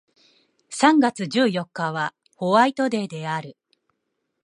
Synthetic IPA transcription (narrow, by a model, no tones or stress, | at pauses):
sãŋɡat͡sɨʑɨːjo̞kːaβa | ho̞βait̪o̞d̪e̞d̪e̞aɾɯ̟